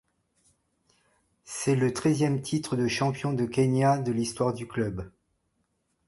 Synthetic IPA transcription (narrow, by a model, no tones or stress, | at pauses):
sɛlət̪χɛzjɛmt̪ʰit̪χəd̪əʃɑ̃pjɔ̃d̪əkʲɛnad̪əlist̪waʁd̪yklœb